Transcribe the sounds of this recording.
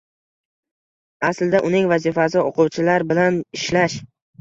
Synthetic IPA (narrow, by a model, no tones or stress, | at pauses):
asld̪aʔʊnɪŋvazifasɪoqʰʊwt͡ʃʰɪlaɾbɪlanɪʃlaʃ